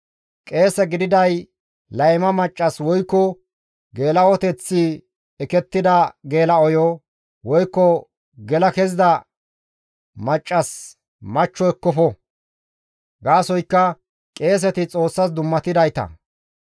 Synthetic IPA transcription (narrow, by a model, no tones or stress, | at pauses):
kʼe̞ːsɛɡɪd̪ɪd̪ɐj | lɐjmɐmɐt͡ʃʼːɐswɔjkːɔ | ɡe̞ːlɐwɔt̪ɛt͡sːɪ | ɛkɛt̪ːɪd̪ɐɡe̞ːlɐɔjɔ | wɔjkːɔ | ɡɛlɐkɛzɪd̪ɐ | mɐt͡ʃʼːɐs | mɐt͡ʃːɔɛkːɔfɔ | ɡaːsɔjkːɐ | kʼe̞ːs̬ɛt̪ɪt͡sʼo̞ːsːɐsd̪ʊmːɐt̪ɪd̪ɐjt̪ɐ̰